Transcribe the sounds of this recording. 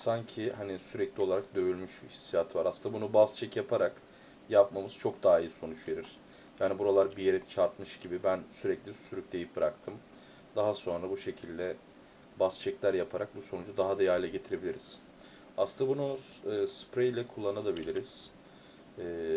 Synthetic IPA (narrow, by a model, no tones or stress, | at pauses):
saɲcʰihanisyɾɛclʲio̞lˠaɾak̚d̪ø̞jylʲmyʃhi̥sːijat̪vaɾasɯnabunubast͡ʃʰɛcjapʰaɾak | japmamɯz̥t͡ʃʰo̞k̚d̪aːijiso̞nut͡ʃve̞ɾiɾ̥ | jaːnibuɾalˠaɾbijeɾɛt͡ʃʰaɾt̪mɯʃɟibibænsyɾɛclʲisyɾyc̚d̪e̞jip̚bɾakt̪ʰɯm | d̪aɦaso̞nɾabuʃe̞cʰilʲd̪ɛ | bast͡ʃʰɛclʲæɾjapʰaɾak̚buso̞nud͡ʒud̪aɦad̪ajalʲɛɟe̞t̪ʰiɾe̞bilʲiɾiz̥ | asɯnabunuɯːspɾejlʲɛkʰulˠːanalˠabilʲiɾiz̥ | ɛː